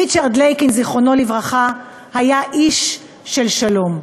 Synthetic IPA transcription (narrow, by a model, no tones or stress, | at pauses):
it͡ʃaʁd̪lejkinziχono̞livʁaχa | hajaʔiʃː | elʃalo̞m